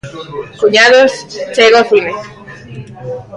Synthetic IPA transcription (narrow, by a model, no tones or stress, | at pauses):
kuɲaðost͡ʃeɣoθime